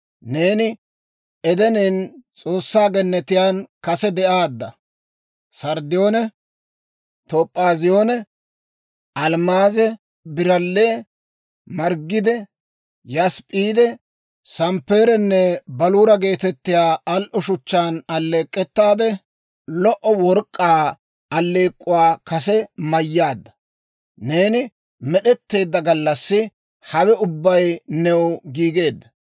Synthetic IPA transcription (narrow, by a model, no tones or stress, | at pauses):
ne̞ːnɪ | ɛd̪ɛneːnt͡sʼo̞ːsːaːɡɛnːɛt̪ɪjaːnkɐsɛd̪ɛʔaːd̪ːɐ | sɐɾd̪ɪjo̞ːnɛ | t̪oːpʼːaːzɪjoːnɛ | ʔɐlmaːzɛ | bɪɾɐlːeː | mɐɾɡːɪd̪ɛ | jɐspʼiːd̪ɛ | sɐmpːeːɾɛnːɛbɐluːɾɐɡe̞ːt̪ɛt̪ːɪjaːɐlʔɔʃʊt͡ʃːaːnɐlːeːkʼːɛt̪ːaːd̪ɛ | lɔʔɔwɔɾkʼːaː | ɐlːe̞ːkʼːʊwaːkɐsɛmɐjːaːd̪ːɐ | ne̞ːnɪ | mɛɗɛt̪ːe̞ːd̪ːɐɡɐlːɐsːɪ | hɐwɛʊbːɐjnɛwɡiːɡe̞ːd̪ːɐ